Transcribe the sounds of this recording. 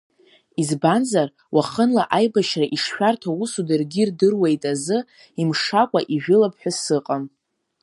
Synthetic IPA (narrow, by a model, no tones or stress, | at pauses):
izbanzar | waχənlaʔajbaʃraʔiʂʃᶣartʰausudɨrɡʲirdɨrwejtʼazɨ | imʂakʷʼa̰ʔiʒᶣʊlapʰħʷᶣasɨqʼam